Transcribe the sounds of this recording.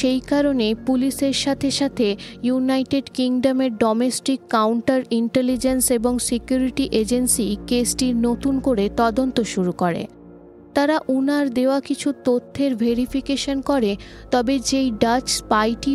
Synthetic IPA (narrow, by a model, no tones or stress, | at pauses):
ʃejkaɾonepuliseɾʃat̪ʰeʃat̪ʰejunajʈeɖkiŋɖomeɾɖɔmesʈikːawɳʈaɾiɳʈelid͡ʑenseboŋsikjuɾiʈiʔed͡ʑensikesʈiɾnot̪unkoɾet̪ɔd̪ont̪oʃuɾukoɾḛ | t̪aɾaʔunaɾd̪eoakit͡ɕʰut̪ot̪ʰːeɾbʱeɾifʰikeʃonkɔɾet̪ɔbed͡ʑejɖat͡ɕpajʈi